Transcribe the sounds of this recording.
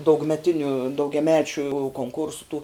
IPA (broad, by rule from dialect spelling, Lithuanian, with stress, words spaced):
dɐʊɡmʲɛˈtʲɪnʲʊ dɐʊɡʲɛˈmʲæːt͡ʃʲʊ koːŋˈkʊrsʊ tuː